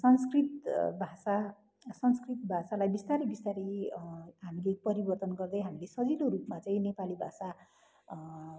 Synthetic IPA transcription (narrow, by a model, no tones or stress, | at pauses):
sʌnskrit̪bʱasa | sʌnskrit̪bʱasalajbist̪aɾibist̪aɾi | ɦamilepʌɾibʌrt̪ʌnɡʌrd̪ʌjɦamilesʌd͡ziloɾupmat͡saĩnepalibʱasa